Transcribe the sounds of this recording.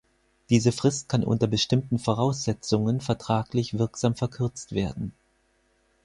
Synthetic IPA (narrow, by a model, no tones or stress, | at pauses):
d̥iːzəfʁ̥ɪst̚kʰanʔʊ̰ntɐbəʃtɪmtn̩foʁ̞aʊsz̥ɛt͡sʊŋənfɛɐtʁ̥aːklɪçv̥ɪɐkz̥aːmfɛɐkʰʏɐt͡stv̥eːɐdn̩